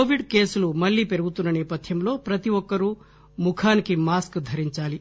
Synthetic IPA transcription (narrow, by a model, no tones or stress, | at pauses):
oʋiɖke̞ːsulumɐɭːiːpeɾuɡut̪unːɐnɛːpɐt̪ʰjɐmlo̞ːpɾɐt̪iʋɔkːɐɾuː | mukʰaːnikimaːskd̪ʱɐɾiɲt͡ʃaːli